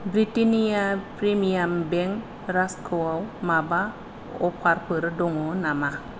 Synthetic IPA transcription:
bɾitiniapɾimiambeŋ | ɾaskʰuwawmaba | o̰pʰaɾpəɾdoŋonama

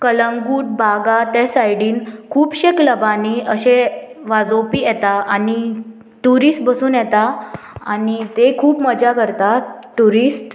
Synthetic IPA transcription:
kələŋɡuːʈ̚bʱaɡat̪ɛsajɽiːnkʰuːpɕekləbaniəɕeʋad͡zopiːjɛt̪aani | ʈuɾisʈbəsuːnjɛt̪a | anit̪ekʰuːpməd͡ʑakəɾt̪aʈuɾisʈ

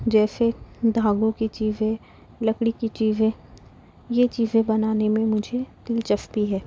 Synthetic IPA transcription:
d͡ʒɛːsed̪ʱaːɡõkit͡ʃiːzẽ | lɐkɽikit͡ʃiːzẽ | jet͡ʃiːzẽbɐnaːnemẽmʊd͡ʒʱet̪ɪlt͡ʃɐfpiɦɛː

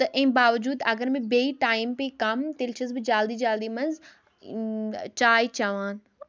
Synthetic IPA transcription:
t̪ɐʔɪ̃ːbaːʋd͡ʒuːd̪ɐɡəɾmẽbeːiʈaːɪmpekɐmt̪elt͡ʃʰɐzbɪd͡ʒaːld̪id͡ʒaːld̪imɐnz | t͡ʃaːit͡ʃaʋãːn

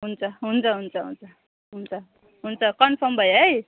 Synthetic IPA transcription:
ɦunt͡sʰʌɦunt͡sʰʌɦunt͡sʰʌɦṵnt͡sʰʌ | ɦunt͡sʰʌ | ɦunt͡sʰʌkʌnpʰʌmbʱʌjɦʌj

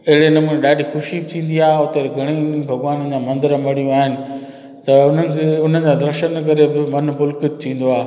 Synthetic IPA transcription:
ɐɦɪɽenɐmũnẽɗaːɖʱixʊʃibɪt̪ʰĩːnd̪iaːɦeʊt̪eɾɡʱɐɽ̃ibʱɐɡʋaːnd͡ʑãːmɐ̃nd̪ɪɾəmɐɽ̤ijũaːɦɪnɪ̆ | t̪ɐʊn̤ənɪ̆kʰeʊn̤əd͡ʑãːd̪ɐɾʃənkɐɾebɪmɐnbʊlkɪt̪̚t̪ʰĩːn̆d̪oaːɦe

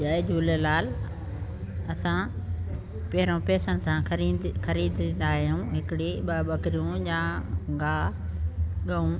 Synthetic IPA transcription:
d͡ʒaːed͡ʑuːlelaːl | ɐsã | pɐɦɪɾõpɛːsənɪ̆sãixɐɾiːd̪ʱĩːn̆d̪aːɦijũɦɪkɪɽiɓɐbɐkɾijũjãːɡaː | ɠɐũ

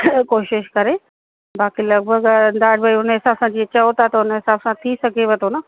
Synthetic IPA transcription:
koːʃɪʃkɐɾe | baːkilɐɡ̚bʱəɡnd̪aːɖbaiʊnɦɪsaːbsãd͡ʑiːt͡ɕɐot̪at̪ɐʊnəɦɪsaːbsãt̪ʰisɐɡʱeʋɐt̪ʰonɐ

